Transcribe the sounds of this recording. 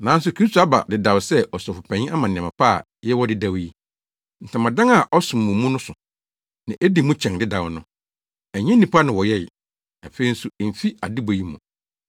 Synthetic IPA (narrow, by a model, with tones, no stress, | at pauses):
nã˨˦n̩˦s̬ʊ˨kʰɾi˦stʰo˨a˦ba̰˨dɪ˨da˨wsɛ˦ʔɔ˨sɔ˨fʊ˨pʰɛ̃˨ɲĩ˦a˦mã˨nɪ̃˨ã˨mã˨pʰa˦˨ | jɛ˦wɔ˦dɪ˦da˨wji˦ | n̩˨tʰã˨mã˨dã˦ŋa˨ʔɔ˦sʊ̃˨m˨mũ˨mũ˦nʊ̃˦sʊ˨ | nã˨ʔe˦di˨mũ˦t͡ɕʰɛ̃˨ndɪ˦da˨wnʊ̃˦ | æ˨ɲɛ̃˦nĩ˨pʰa˦nɪ̃˨wɔ˨jɛ˦˨ | a˨fe˨i˦n̩˦su˨m̩˨fi˦a˨di˦bo˨ji˦mṵ̃˨